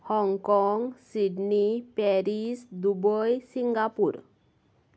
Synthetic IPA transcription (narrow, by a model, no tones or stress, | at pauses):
hɔŋkɔŋɡsiɖnipɛɾisd̪ubɔjsiŋɡapuɾ